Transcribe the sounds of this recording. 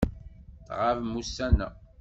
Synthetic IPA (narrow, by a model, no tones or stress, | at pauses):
θʁavmusːæna̰